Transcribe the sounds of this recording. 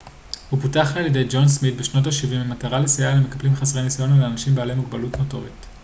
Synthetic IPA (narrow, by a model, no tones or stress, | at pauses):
hupotaχaljede̞jd͡ʒo̞nsmit̚beʃno̞t̬aʃivimemataʁalesajalemekablimχasʁenisajo̞naleanaʃimbealemuɡbalutmoto̞̰ʁḭt